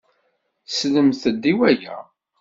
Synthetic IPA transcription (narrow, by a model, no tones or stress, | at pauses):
sləmθəd̪ːiwæjæ̰